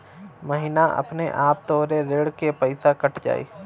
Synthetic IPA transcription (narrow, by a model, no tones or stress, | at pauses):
məɦiːnaʔɐ̰pneʔaːp̚t̪ɔːɾeɾeːɽkepəɪsakɐʈʰd͡ʒa̰ːḭː